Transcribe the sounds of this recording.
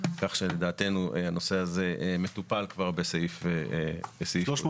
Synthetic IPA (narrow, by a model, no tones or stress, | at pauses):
kaχʃeled̪aːt̪e̞nuʔehano̞seazeʔme̞t̪upalkvaʁbeseifebeseioʃ